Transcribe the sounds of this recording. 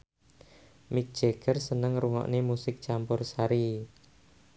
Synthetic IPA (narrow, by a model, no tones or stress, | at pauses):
mɪk̚d̥ʒ̥eɡ̥ərsənəŋɾuŋɔ̰ʔnemusɪk̚t͡ʃampʊrsaɾi